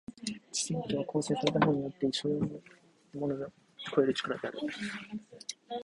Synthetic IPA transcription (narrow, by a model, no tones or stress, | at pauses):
t͡ɕi̥sɨmt̪ʲoβakʰo̞ːse̞ːsaɾet̪amaɲ̟ːio̞t̪ːeiso | mo̞noɡḁ | kʰoe̞ɾɯ̟t͡ɕi̥kaɾad̪ea̰ɾɯ̟̰